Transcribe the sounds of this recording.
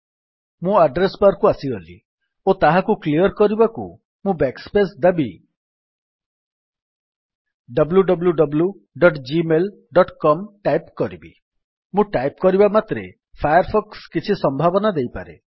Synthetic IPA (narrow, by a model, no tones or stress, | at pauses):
mũaɖɾesbaɾkuasiɦolḭ | ot̪aɦakukliɔɾkɔɾibakṵ | mũbekspesd̪abi | ɖʌbluɖɔbluɖɔblju | ɖɔʈd͡ʒimel | ɖɔʈkɔmʈajpkɔɾibḭ | mũʈajp̚kɔɾibamat̪ɾe | pʰajɔɾpʰɔkskit͡ʃʰisɔmbʱabɔnad̪ejpa̰ɾḛ